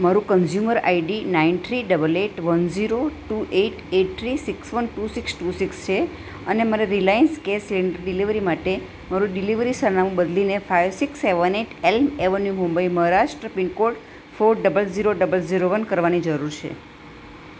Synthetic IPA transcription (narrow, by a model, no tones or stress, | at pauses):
maɾũkənzjuməɾa̰iɖinaint̪ʰɾiɖəbəleʈʋənd͡ʒiɾoʈuʔeʈeʈ̚t̪ʰɾisiksʋənʈusiksʈusikst͡ʃʰe | ənemaɾeɾilajənskesliɳɖəɾɖiliʋɾimaʈe | maɾũɖiliʋɾisəɾnamũbəd̪linefajʋsikseʋəneʈelmeʋənjumũmbəiməɦɾaʃʈɾəpiɳkoʈ | foɾɖəbəlziɾoɖəbəlziɾoʋənkəɾʋanid͡ʒəɾuɾt͡ʃʰḛ